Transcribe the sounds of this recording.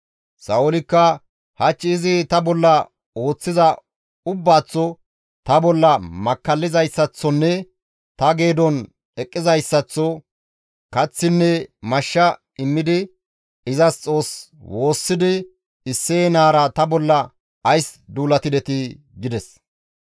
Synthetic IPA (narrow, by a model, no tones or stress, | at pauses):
sɐʊlɪkːɐ | hɐt͡ʃːɪːzɪt̪ɐbɔlːɐ | o̞ːt͡sːɪzɐ | ʊbːaːt͡sːɔ | t̪ɐbɔlːɐmɐkːɐlːɪzɐjsːɐt͡sːɔnːɛ | t̪ɐɡe̞ːd̪ɔn | ɛkʼːɪzɐjsːɐt͡sːɔ | kɐt͡sːɪnːɛmɐʃːɐ | ɪmːɪd̪ɪ | ɪzɐst͡sʼo̞ːs | wʔo̞ːsːɪd̪ɪ | ɪsːeːnaːɾɐt̪ɐbɔlːɐ | ɐjsd̪uːlɐt̪ɪd̪ɛt̪ɪ | ɡɪd̪ɛs